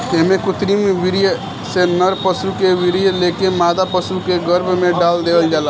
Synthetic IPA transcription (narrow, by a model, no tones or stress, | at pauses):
emẽkʊt̪ɾimʋɪɾij | senəɾpəsukeʋɪɾijəleːkemaːd̪apəsukeɡəɾbʱmẽɖaːld̪eːəld͡ʒaːla